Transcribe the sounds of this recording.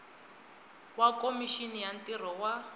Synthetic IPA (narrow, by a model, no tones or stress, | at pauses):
wakomiʃinijantʼir̤ɔwa